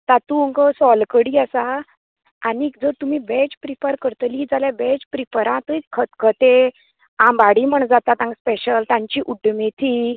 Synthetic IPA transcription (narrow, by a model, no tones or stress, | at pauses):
t̪at̪uŋkəsɔlkəɽiːasaː | nikd͡zəɾt̪um̤iːbɛt͡ɕpɾifəɾkəɾt̪əlid͡zaljabɛt͡ɕpɾipəɾãt̪əikʰət̪kʰət̪e | ãmbaɽim̤əɳd͡zat̪at̪ãŋɡspeɕəlt̪ãɲt͡ɕiːʔuɖmet̪ʰi